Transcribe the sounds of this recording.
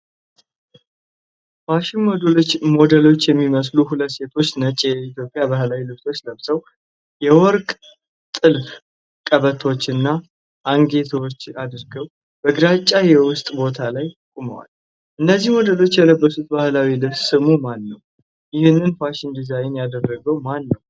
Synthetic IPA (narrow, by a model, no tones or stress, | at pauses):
faʃɪnmod̪mo̞d̪əlo̞t͡ʃːjɛmːiməs̬luɦulət̪ːse̞t̪ʰo̞t͡ʃːnət͡ʃʼjɛit̪jopʼːjabahlawilɨβso̞t͡ʃːləβsəw | jɛwɔɾkʼ | t̪ʼɨlf | kʼəβət̪ʰo̞t͡ʃːɨnːa | ʔaŋɡe̞t̪ʰwot͡ʃːad̪ɾɡəw | b̥əɡɨɾat͡ʃʼːajɛwʊst̪ʼbo̞t̪ʰalajtkʼumə̰wa̰l | ʔɨnːəzːihmo̞d̪əlo̞t͡ʃːjɛləbːəsut̪̚bahlawilɨβssɨmumanːəw | jɪhɨnːɨnfaʃɪnd̪izajɪnjad̪ərːəɡəwmanːəw